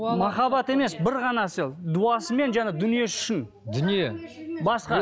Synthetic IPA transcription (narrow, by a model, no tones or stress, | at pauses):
mɑχɑbɑt̪e̞me̞sbɪɾʁɑnɑsəld̪uɑsəme̞nʒɑned̪ʏnije̞sʏ̥ʃɪn | d̪ʏnijebɑsqɑ